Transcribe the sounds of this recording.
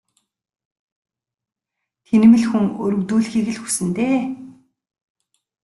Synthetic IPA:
t̪ʰenɘ̆mɘ̆ɮxuŋɵ̰ɾɵ̆ɣt̪uːɮxiːɣɘ̆ɮxu̥sɘ̆nt̪eː

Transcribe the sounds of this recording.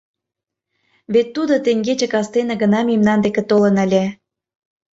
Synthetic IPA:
βet̪ːud̪ot̪eŋɡet͡ɕə̆kɑst̪enə̆ɡənɑmimnɑnd̪ekĕt̪olə̆nə̆lʲe

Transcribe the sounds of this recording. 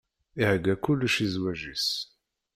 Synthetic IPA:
ihəɡːækulːʃizwæʒis

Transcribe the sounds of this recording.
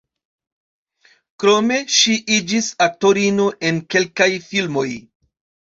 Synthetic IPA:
kɾo̞me̞ʃiʔid͡ʒisato̞ɾinoʔe̞nke̞lkajfilmo̞j

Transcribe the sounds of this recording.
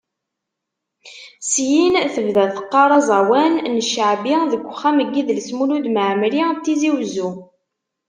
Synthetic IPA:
sjinθəvðæðθə̥qːɑɾˤɑzˤɑwænnəʃəʕbiðəɡʷːχːæməɡːiðlsmulud̪məʕəmɾit̪ːiziwzu

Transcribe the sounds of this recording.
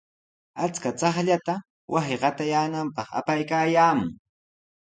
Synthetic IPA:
at͡skat͡sɑχʎat̪a | wʔasɪɢɑt̪ajaːnampɑχa̰pajkaːjaːmʊŋ

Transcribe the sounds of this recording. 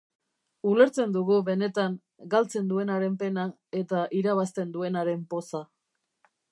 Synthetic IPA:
ule̞ɾt͡se̞nd̪uɣuβe̞ne̞t̪aŋ | ɡalt͡se̞nd̪ue̞naɾe̞mpe̞na | e̞t̪aʔiɾaβ̞ast̪e̞nd̪ue̞naɾe̞mpo̞sa

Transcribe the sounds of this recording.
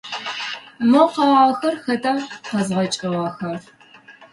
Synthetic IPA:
mɨqɑːʁaxɐrxɐtʰʼɐqɐzʁɐt͡ʃʼɪʁɐxɐr

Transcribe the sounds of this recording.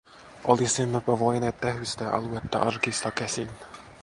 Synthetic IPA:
ʔolisimːepɑʋojneːt̪t̪eɦyst̪eʔɑ̰luet̪ːæ̰ʔɑrkist̪ɑkesinæ

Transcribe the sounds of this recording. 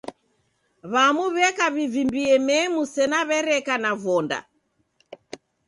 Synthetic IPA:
βamuβɛkaβivimbiɛmɛmusɛnaβɛɾɛkanavɔnda̰

